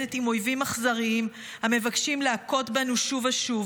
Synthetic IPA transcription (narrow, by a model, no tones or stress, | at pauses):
etimo̞jvimaχzaʁiim | hamevakʃimleako̞tbanuʃuvaʃuv